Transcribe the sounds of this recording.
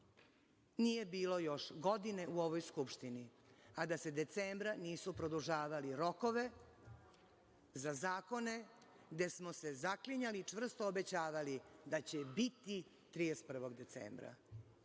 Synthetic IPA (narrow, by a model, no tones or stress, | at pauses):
niːje̞biːlo̞jo̞ʃɡo̞d̪ine̞ʔuo̞ʋojskupʃt̪ini | ad̪ase̞d̪e̞t̪seːmbɾaniːsupɾod̪uʒaːʋaliɾo̞ko̞ʋe̞ | zazaːko̞ne̞ | d̪e̞smose̞zakliɲalit͡ʂvr̩st̪oːbe̞t͡ɕaːʋalid̪at͡ɕe̞bit̪i | t̪ɾijest̪̚pr̩ʋo̞ɡd̪e̞t̪sḛːmbɾa̰